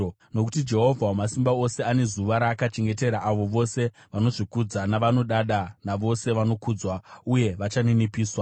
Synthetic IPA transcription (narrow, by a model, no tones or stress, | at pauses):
no̞kutid͡ʒe̞ɦo̞vʱawamasimbao̞se̞ane̞zuʋaɾaːkat͡ʃeŋɡe̞te̞ɾaʔaʋo̞ʋo̞se̞ | ʋano̞ʐikud͡zanaʋano̞ɗaɗanaʋo̞se̞ʋano̞kud͡zwauje̞ʋat͡ʃaninipiːswa